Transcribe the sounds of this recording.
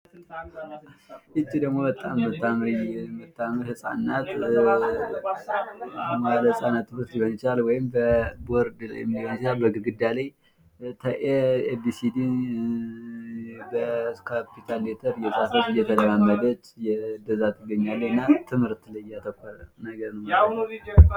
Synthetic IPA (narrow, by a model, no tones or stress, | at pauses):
ʔɨt͡ʃːid̪əɡmo̞bət̪ʼamːət̪ʰːamɾimət̪ːaməɾhɨsʼa̰nːat̪ | maaləsʼanːat̪ːɨmɨɾt̪libənt͡ʃalwɔjɪmbəboɾd̪l̰j̰mdihonsizabəɡɨɡɨd̪alaj | t̪ʰəʔedisid̪i | bəkʰapːit̪ʰalːet̪ʰəɾjɛsʼafət̪ʼɨjːɛt̪ʰələmamːəd̪ət͡ʃːjɛd̪əzat̪ʰːɨɡːəɲːalːəɨnːat̪ʰɨmhɨɾt̪ləjːat̪ʰəkʷːalnəɡəɾnəw